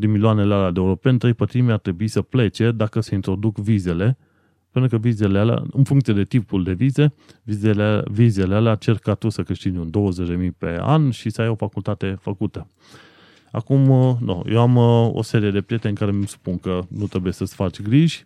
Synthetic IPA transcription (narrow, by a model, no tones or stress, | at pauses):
d̪imiloanelealad̪euɾo̞pe̞nt̪ɾe̞jpət̪ɾimiart̪ɾe̞buisəple̞t͡ʃe̞d̪akəseint̪ɾo̞d̪ukvize̞le̞ | pent̪ɾukəvize̞lealea̰ɨnfuŋkt̪sied̪e̞t̪ipuld̪e̞vize̞vizevize̞lealeat͡ʃe̞rkat̪usəkɨʃt̪inund̪o̞wəzet͡ʃʲd̪e̞mijpe̞̰a̰nʃisəajo̞fakult̪at̪e̞fəkut̪ə | a̰kumno̰jewamo̰se̞ɾije̞d̪e̞pɾije̞t̪enɨŋkaɾe̞mmsu̥punkənut̪ɾe̞buje̞səsfat͡ʃʲɡɾiʒ̥ʲ